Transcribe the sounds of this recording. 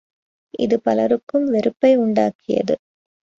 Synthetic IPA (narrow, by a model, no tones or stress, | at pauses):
ʔɪ̰ðɯpɐlɐɾɯkːɯmʋɛɾɯpːɐɪʊɳɖaːkʰɪjɐ̰ðɯ̰